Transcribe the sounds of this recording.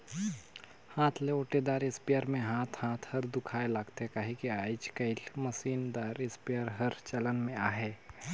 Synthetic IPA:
hãːt̪ʰleoːʈed̪aːɾɪspijəɾmẽɦaːt̪ʰhãːt̪ʰhɐɾd̪ʊkʰaːelaːɡt̪eɦɛkaɦikiaːɪt͡ʃkɐilməsiːnd̪aːɾɪspiəɾɦɐɾt͡ʃələnmẽaːɦɛː

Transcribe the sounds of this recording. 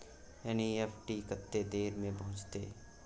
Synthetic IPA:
ɛniɛpʰʈikət̪ːed̪eːɾmẽbɐɦʊ̃t͡ʃt̪eː

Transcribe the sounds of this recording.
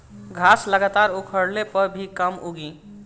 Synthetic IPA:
ɡʱasləɡat̪aɾukʰəɽlepəɾbʱikəmuɡi

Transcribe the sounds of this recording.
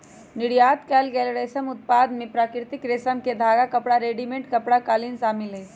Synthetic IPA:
nɪɽjaːt̪kɛːlɡɛːlɾeːsəmʊt̪̚paːd̪mẽpɾaːkɾɪt̪ɪkɾeːsəmked̪ʱaːɡakɐpɽaɾeːɖimẽɳʈkɐpɽakaːlinsaːmɪlɦeː

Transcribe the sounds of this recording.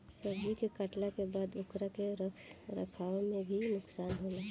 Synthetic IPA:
səɾd͡ʒikekəʈlakebaːd̪ʊkɾakeɾɾɐ̰kʰaːomẽbʱinʊksaːnɦoːlaː

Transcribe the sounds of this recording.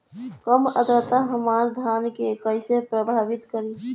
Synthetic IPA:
kəməd̪ət̪aɦəmaɾd̪ʱaːnkekəɪsepɾəbʱaːʋɪt̪kəɾi

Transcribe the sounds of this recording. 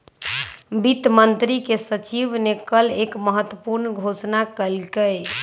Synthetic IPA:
bit̪mənt̪ɾikesət͡ʃibnekəlekməɦət̪wəpuɾnɡʱosnakəlkəj

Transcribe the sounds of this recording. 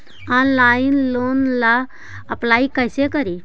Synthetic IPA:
ɔnlainlonla | əplaikəjsekəɾi

